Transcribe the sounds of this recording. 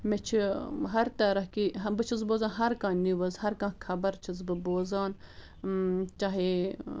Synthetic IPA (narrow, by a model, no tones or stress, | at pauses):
met͡ʃʰiɦɐɾt̪ɐɾɐɦkibɨt͡ʃʰizboːzãːnɦɐɾkãːniʋɐzhɐɾkãːkʰɐbɐɾt͡ʃʰizbɨboːzaːn | t͡ʃaːɦeː